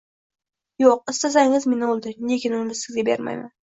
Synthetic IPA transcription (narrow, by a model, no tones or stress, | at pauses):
joq̚ɪst̪asaŋɪzmenɪolˠd̪ɪne̞kʲʰɪnʊnɪbɪzɪzɡʲabe̞̰ɾma̰jma̰n